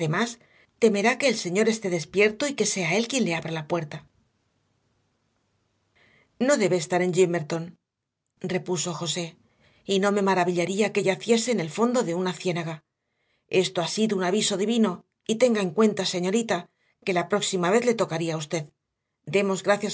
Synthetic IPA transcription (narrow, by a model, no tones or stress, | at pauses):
emas | t̪e̞me̞ɾake̞ːlse̞ɲo̞ɾe̞st̪e̞ðe̞spje̞ɾt̪oike̞se̞ae̞lkje̞nle̞aβɾalapwe̞ɾt̪a | no̞ðe̞βeːst̪aɾe̞ɲʝime̞ɾt̪o̞n | re̞puso̞xo̞se̞ | ino̞me̞maɾaβiʎaɾiake̞ʝaθje̞se̞ne̞lfo̞nd̪o̞ðe̞unaθje̞naɣa | e̞st̪o̞asiðounaβiso̞ðiβino̞ | it̪e̞ŋɡae̞ŋkwe̞nt̪ase̞ɲo̞ɾit̪a | ke̞lapɾo̞ksimaβe̞θle̞t̪o̞kaɾiaust̪e̞ð | d̪e̞mo̞zɣɾaθjas